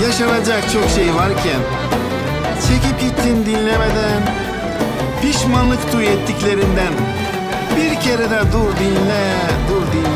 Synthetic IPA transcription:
jaʃɑnad͡ʒakt͡ʃʰokʃejvaɾcʰæn | t͡ʃʰecip̚cit̪ːind̪inlʲɛmed̪æn | pʰiʃmanlˠɯkt̪ʰuɛt̪ːicle̞ɾind̪æn | biɾcʰeɾed̪ɛd̪uɾd̪i | d̪uɾd̪in

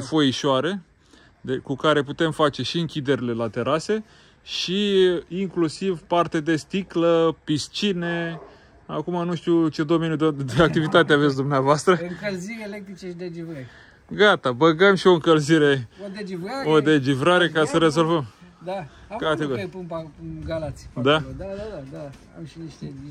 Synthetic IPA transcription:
fo̞jiʃoaɾe̞ | d̪ekukaɾe̞put̪e̞mfat͡ʃe̞ʃiɨŋkʲid̪e̞ɾile̞lat̪e̞ɾase̞ | ʃiiŋklusivpart̪ed̪e̞st̪ikləpist͡ʃine̞ | akumanuʃt̪ut͡ʃe̞d̪o̞me̞njud̪d̪eak̚t̪ivit̪at̪eaves̬ʲd̪umneavoast̪ɾəɨŋkəlziɾeelek̚t̪ɾit͡ʃeʃid̪ed͡ʒivɾəɾ | ɡat̪abəɡəmʃio̞ɨŋkəlziɾe̞od̪ed͡ʒiaod̪e̞d͡ʒivɾaɾe̞kasəɾe̞zo̞lvəmd̪a | kat̪eɡpumpauɡalat̪si̥d̪ad̪aadad̪aa̰mʃiniʃt̪e

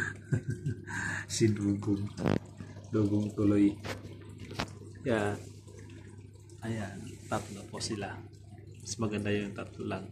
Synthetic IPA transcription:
siduɡuŋ | doɡuŋt̪oloi | ja | ajat̪at̪naposilah | səmaɡandajaŋt̪at̪ulaŋ

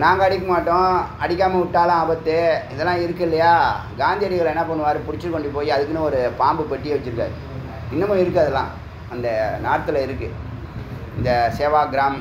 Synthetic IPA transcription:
naːŋɡɐːɽɪk̬ːɐmaːʈːõɐɽɪk̬ʲːaːmɐʊʈːaːlãaːbɐt̪ːɯɪðɛlːãːɪɾɯkːɯɪlːɐjaːɡaːnd̪ijɐɽɪɣɐɭɛnːɐpɐɳːɯʋaːɾɯpʊɾɪt͡ʃːɯɯkːɔɳɖɯpoːjiɐðɯkːɯnɯɔɾɯpaːmbɯpɐʈːɪjeʋɐt͡ʃːɯɾɯkːa̰ːðɯ | ɪnːɐmõɪɾɯkːɐɐðɛlːã̰ː | ɐnd̪ɐnaːɽɐt̪ːɯlɐɪɾɯkːɯ | ɪnd̪ɐseːʋaːɡɪɾaːm

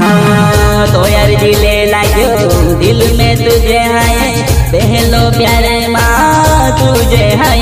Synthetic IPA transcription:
d̪oːjaɾd͡ʒilelaːɡjo | d̪ɪlmẽt̪ud͡ʒeɦaje | bɛɦɛlopjaːɾe | mã | t̪u | d͡ʒeɦaj

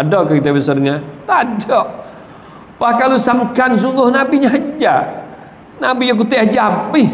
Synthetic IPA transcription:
adɔkait̪abisərŋat̪adɔʔ | pahkalusamkans̬uŋɡʊhnabiɲaɦd͡ʒa | nabijak̬ut̪iad͡ʒapɪh

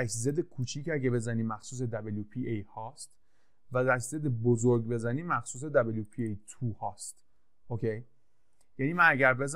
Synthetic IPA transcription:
æʃzed̪ekʰuːt͡ʃʰiːcʰæɟʲebe̞zæniːmæxsuːs̬ed̪æbeljupʰiejhɒːst̪ | væd̪æs̬ze̞d̪ebozoɾɡbe̞zæniːmæxsuːs̬ed̪æbeljupʰiejt̪ʰuhɒːst̪ | okʰe̞j | jæniːmænæɟæɾbe̞z

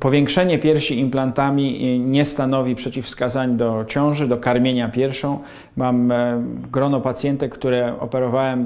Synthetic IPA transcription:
pɔvʲjɛŋkʂɛɲɛpʲjɛɾfɕiimplant̪amʲiɲɛst̪anɔvʲipʂɛt͡ɕifskazaɲd̪ɔt͡ɕɔ̃w̃ʐɘd̪ɔkaɾmʲjeɲapʲjɛɾfʂɔ̃w̃ | mam | ɡɾɔnɔpat̪sʲjɛnt̪ɛkt̪uɾɛɔ̰pɛɾɔvawɛm

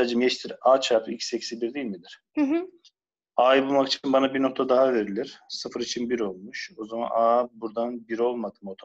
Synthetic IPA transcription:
aːd͡ʒɯmjɛt͡ʃt̪ʰiɾaːt͡ʃʰapḭcsɛcsibiɾd̪ijːilʲmid̪iɾ̥ | ɦ | aːjbulˠmakit͡ʃʰinbanabiɾno̞k̚t̪ʰad̪aɦave̞ɾilʲiɾ̥sɯfɯɾit͡ʃʰinbiɾo̞lˠmuʃo̞zama̰naːbuɾd̪anbiɾo̞lˠmad̪ɯmot̪ʰo

